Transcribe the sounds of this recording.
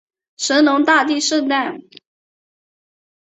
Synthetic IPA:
ʂə˧˥nlʊ˧˥ŋt̪a˥˧t̪i˥˧ʂɤ˥˧ŋt̪a˥˩n

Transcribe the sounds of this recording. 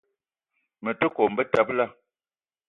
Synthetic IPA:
mə˨tə˦kɔ˨m̩˨bə˦ta˦p̚la˦˨

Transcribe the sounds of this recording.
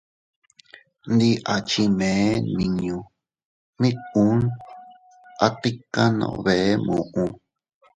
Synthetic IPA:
nd̪i˧˦ʔa˨t͡ʃi˧mẽ˨˦nĩ˨ɲũ˧ | mĩ˦ũ˦n | a˦t̪i˦ka˦nõ̰˧ʔõ̰˧βe˨e˦mũ˨ʔũ˧

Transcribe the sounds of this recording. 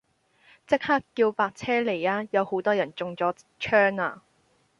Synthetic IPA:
t͡sɪ˥k̚haː˥kːiː˧wpaː˧k̚t͡sʰɛː˥le˨˩jaː˧jɐ˨˧who˨˥wt̪ɔː˥jɐ˨˩nt͡sʊ˨ŋt͡sɔː˨˥ | t͡ʃʰœː˥ŋa̰ː˧

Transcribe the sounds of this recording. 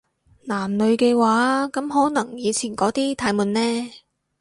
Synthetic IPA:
naː˨˩mnɵ˨˧ɥkɛː˧waː˨˥kɐ˨˥mɦɔː˨˥nɐ˨˩ŋjiː˨˧t͡sʰiː˨˩nkɔː˨˥t̪iː˥t̪ʰaː˨˧˥jmuː˨˧nːɛː˥

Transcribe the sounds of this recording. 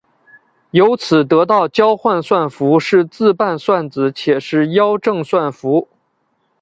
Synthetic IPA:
jo˧˥ʊt͡sʰɹ̩˨˩t̪ɤ˧˥t̪ɑ˥˩ʊt͡ɕjɑ˥ʊxwa˥˧nswa˥˩nfu˧˥ʂɻ̩˥˧t͡sɹ̩˥˧pa˥˩nswa˥˩nt͡sɹ̩˧˩t͡ɕʰjɛ˨˩ʂɻ̩˥˩jɑ˥ʊʈ͡ʂɤ˥˧ŋswa˥˩nfu˧˥

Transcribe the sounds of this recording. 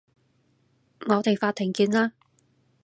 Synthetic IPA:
ŋɔː˨˧t̪e˨jfaː˧t̪ʰːɪ˨˩ŋkiː˧nlaː˥

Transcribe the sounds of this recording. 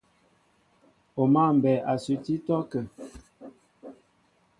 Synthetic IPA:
o˨ma˦˨m̩˨bɛ˨ʔa˨sʉ˨ti˦tɔ˦kə˨

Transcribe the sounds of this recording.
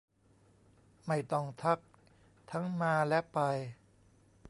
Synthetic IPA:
ma˥˩jt̪ɔ˥˩ŋt̪ʰa˦˥k̚ | t̪ʰa˦˥ŋmaː˧lɛ˦˥pa˧j

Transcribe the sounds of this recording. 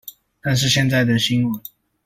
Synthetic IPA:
t̪a˥˧nʂ̬ɻ̩˥˧ɕjɛ˥˧nt͡sa˥˩ɪd̪ə˨˩ɕi˥nwə˨˦n

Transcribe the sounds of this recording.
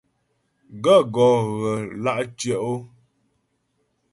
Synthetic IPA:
ɡə˦˨ɡɔ˨ɣə˨la˦˨ʔt͡ʃjə˦˨ʔo˦

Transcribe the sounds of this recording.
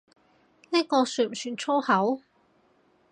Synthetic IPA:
niː˥kɔː˧syː˨˩m̩˨˩t͡ʃʰyː˨˩nt͡sʰo˥whɐ˨˥w

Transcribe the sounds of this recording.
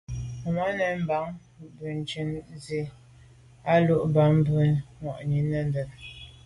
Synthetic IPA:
ma˨˦nə˨˦m̩˦ba˨˦ŋ | bʉ˨n̩˨t͡ʃi˦nzi˦ | a˦lu˦˨ʔba˨˦ŋbʉ˦ŋwɔ̰˨ʔɲi˨˦nə˦ndə˨n

